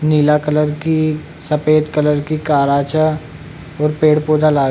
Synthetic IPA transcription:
niːlakələɾki | sɐpeːd̪kələɾkikaːɾaːt͡ʃa | ɔːɾpeːɽpoːd̪alaː

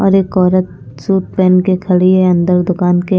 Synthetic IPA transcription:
ɔ̰ːɾeːkɔːɾət̪̚suːt̪̚pɛːnkekʰɐɭieɐ̃nd̪əɾd̪ʊkaːnke

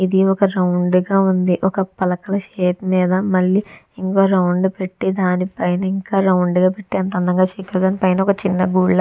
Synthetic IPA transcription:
id̪iɔkɐɾɐwɳɖɡaːund̪iʔɔkɐpɐlɐkɐlɐʃeːt̪miːd̪ɐmɐlːi | iŋkoːɾɐwɳɖpe̞ʈːid̪aːnipɐjnɐiŋkaːɾɐwɳɖɡaːpe̞ʈːiɐnt̪ɐnd̪ʱɐŋɡaːt͡ʃiːkːɐɾd̪aːnipɐjnɐɔkɐt͡ʃinːɐɡuːɭːɐ

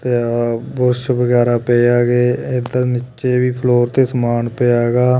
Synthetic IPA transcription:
t̪eːbʊɾʃʋəɡɛːɾaːpeːaːɡeːed̪əɾnɪt͡ʃeːʋiːpʰloːɾt̪eːsəmaːnpeːaːɡaː

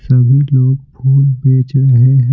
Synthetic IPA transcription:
səbʱiloːɡ̚pʰuːlbeːt͡ʃɾɦɛ̃

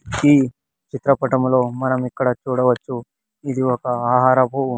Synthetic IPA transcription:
iː | t͡ʃit̪ɾɐpɐʈɐmlo̞ːmɐnɐmikːɐɽɐt͡ʃuːɽɐʋɐt͡ʃːu | id̪iɔkɐaːɦaːɾɐbʱu

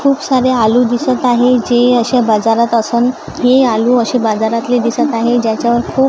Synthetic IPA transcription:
kʰuːpsaɾealud̪isət̪aɦed͡ʑeəɕabad͡zaɾat̪əsən | ɦealuːəɕebad͡zaɾat̪led̪isət̪aɦed͡ʑjat͡ɕjaʋəɾkʰuːp

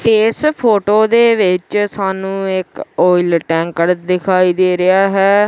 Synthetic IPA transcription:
ʈeːspʰoːʈoːd̪eːʋɪt͡ʃsaːnũːɪkoːɪlʈɛ̃ːŋkəɽd̪ɪkʰaːiːd̪eːɾɪjaːɦɛː

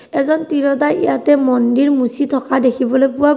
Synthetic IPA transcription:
ɛzɔntiɹɔdajḭjatɛmɔndiɹmusitʰɔkadekʰibɔlojpʊwa

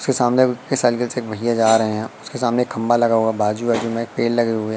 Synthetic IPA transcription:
ʊskesaːmnekɪkːesaːlkɪlseːk̚bʱɐɦijad͡ʒaːɾɐɦẽɦɛ̃ʊskesaːmneeːkʰːɐ̃mbalɐɡaɦoːɡabaːd͡ʒubaːd͡ʒumẽeːk̚peːɖlɐɡeɦoɡjaː

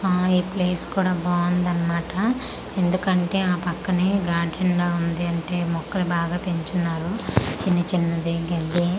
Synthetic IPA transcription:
aːipleːskuːɽaːbaːɐnd̪ɐnːɐmaːʈɐ | e̞nd̪ukɐɳʈe̞ːaːpɐkːɐneɡaːɖʰʱɐɳɡaːund̪iɐɳʈe̞ːmɔkːɐɾibaːɡaːpeɲt͡ʃunːaːɾut͡ʃinːɐt͡ʃinːɐd̪iɡɐlːi

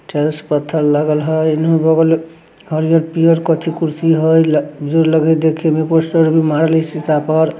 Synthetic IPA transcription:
ʈeɾspət̪ʰːəɾlaɡəlɦəinɦubɔɡəl | ɡʱəɾijəɾpijəɾkət̪ʰikuɾsiɦojld͡ʒoɾləɡɛd̪ekʰemeposʈəɾbimaɾlesit̪apəɾ

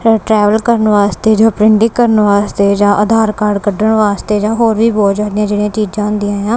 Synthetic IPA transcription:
ʈɾɛːʋəlkəɾənʋaːst̪eːd͡ʒãːpɾɪɳɖɪkːəɾənʋaːst̪eːd͡ʒãːʔəd̪ʱaːɾkaːɾɖkəɖəɳʋaːst̪eːd͡ʒãːɦoːɾʋiːbɔːd͡ʒaːd̪ɪjãːd͡ʒeːɽijãːt͡ʃiːd͡ʒãːɦʊ̃nd̪ijãːjãː

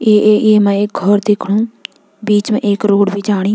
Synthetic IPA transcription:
eːeemɛ̃eːk̚ɡʱɔɾd̪eːkʰɽ̃ũ | biːt͡ʃmẽʔeːkɾoːɽbʱid͡ʒaːɽ̃i

